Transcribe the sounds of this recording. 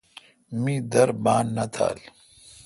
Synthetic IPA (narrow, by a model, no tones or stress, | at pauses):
mĩd̪ɐɾbaːnːɐt̪ʰa̰ːl